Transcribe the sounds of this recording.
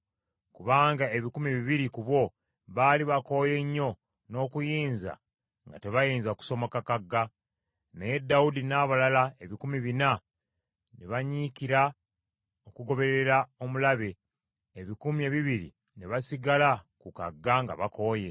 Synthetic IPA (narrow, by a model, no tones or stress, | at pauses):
kuβaːŋɡae̞βikumiβiβiɾikuβwo̞ | βaːliβako̞je̞ɲːo̞ | no̞ːkujiːnza̰ | ŋɡa̰te̞βajiːnzaku̥so̞makakaɡːa | neje̞dːawudinaːβalalae̞βikumiβina | neβaɲikiɾa | okuɡo̞βe̞ɾe̞ɾao̞mulaβe̞ | eβikumie̞βiβiɾḭ | neβasiɡalakuka̰ɡːaŋɡa̰βako̞je